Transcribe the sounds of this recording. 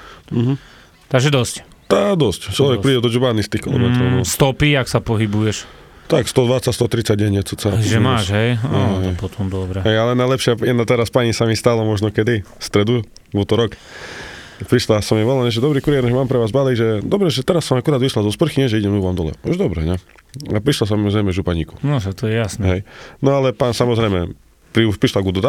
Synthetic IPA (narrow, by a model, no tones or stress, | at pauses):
m̩ɦm̩ | t̪aɡʒɛd̪ɔsct̪ad̪ɔsct͡ʃlɔʋɛkpɾiːɟɛd̪ɔd͡ʒubanist̪ixkilɔ̰mɛt̪ɾɔʊmɔst̪ɔpiaksapɔɦibujɛʃ | t̪akst̪ɔd̪ʋat͡sacst̪ɔt̪ɾit͡saɟ̚ɟɛɲɛt͡sut͡saʒɛmaːʃɦɛjaɦpɔt̪ʰɔmd̪ɔbɾɛɦɛjalɛnajlɛpʃɪajɛd̪nat̪ɛɾaspaɲisamist̪alɔmɔʒnɔkɛd̪ist̪ɾɛd̪u | ʋɔt̪ɔɾɔk | pɾiʃlasɔmjɛʋɔlaɲɛʒɛd̪ɔbɾikuɾiɛɾɲɛʒɛmaːmpɾɛʋaːzbaliɡʒɛd̪ɔbɾɛʒɛt̪ɛɾasːɔmakuɾaːd̪ʋiʃlalzɔspr̩xiɲɛʒɛiɟɛmuʋamd̪ɔlɛ̰ɔʒɛd̪ɔbɾɛ̰ɲɛ | apɾiʃlas̬ɔmɔzɾɛjmɛʒupaɲiːku̥nɔʒat̪ɔjɛjasnɛɦɛjnɔalɛpansamɔzɾɛjmɛ̰ | pɾiupɾiʃlaɡud̪ɔd̪a